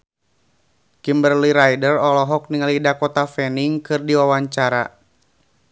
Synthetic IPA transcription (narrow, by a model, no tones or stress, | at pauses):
kimbərliɾajdərɔlɔɦɔk̚niŋalidakɔt̪afɛniŋkɨrdiwawaɲt͡ʃaɾa̰